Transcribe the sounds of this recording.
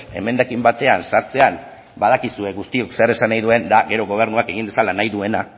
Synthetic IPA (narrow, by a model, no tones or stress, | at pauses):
e̞̰me̞nd̪akimbat̪e̞ansaɾt͡se̞an | bað̞akisue̞ɣust̪io̞kse̞ɾe̞sanajðue̞nd̪aɣe̞ɾo̞ɣo̞β̞e̞ɾnuake̞ɣind̪e̞salanajðue̞na